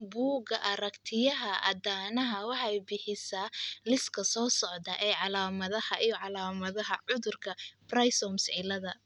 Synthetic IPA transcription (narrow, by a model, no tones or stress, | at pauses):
buːɡɐʔɐɾɐkt̪ʰɪjɐɦɐʔɐ̰d̪aːnɐɦɐwɑħɑjbɪħɪsaːlɪskʰɐsɔːsɔʕd̪ɐʔɛːʕɑlaːmɐðɐhɐʔijɔʕɑlaːmɐðɐɦɐʕʊðʊrkʰɐb̥rɐjsɔmsʕɪlɐðɐ